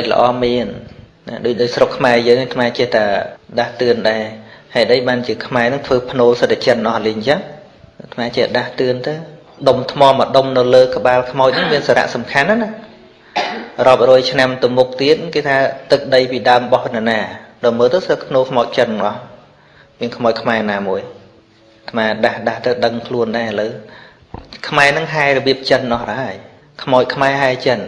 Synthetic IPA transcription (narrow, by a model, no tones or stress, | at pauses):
ɗəc̚lə̰̆ʔɑ̰ːmiən | naɗoːc̚ɗaːc̚srokʰːmaɛjəːŋhajt̪ʰmaːt͡ɕiəht̪aːɗaht̪ɨənɗaɛhaɛɗəjɓaːnt͡ɕiəkʰmaɛnɨŋt̪ʰʋəːpʰnoːlsət̪̚ːat͡ɕənʔɑhliɲt͡ɕam | t̪ʰmaːt͡ɕiəɗaht̪ɨənt̪aː | ɗomt̪ʰmɑːməɗomnɨwləːkə̆ɓaːlkʰmaɔc̚nɨŋmiənsaːɾa̰ʔsɑmkʰanːənah | rŏəp̚rɔəjt͡ɕʰnamt̪ɨwmuk̚t̪iət̪̚nŋkeːt̪ʰaːt̪ɨk̚ɗəjpiːɗaəmɓɑhnɛnaːɗɔːjməːlt̪əwsət̪k̪ʰnoːkʰmaɔc̚t͡ɕənːŋʔɑh | miənkʰmaɔc̚kʰmaɛnaːmuəj | t̪ʰmaːɗahɗaht̪ɨwɗəŋkʰluənɗaɛələw | kʰmaɛnɨŋɦaɛrɔɓiəp̚t͡ɕənnʔɑhrəːɦaəj | kʰmaʊc̚kʰmaɛɦaɛt͡ɕən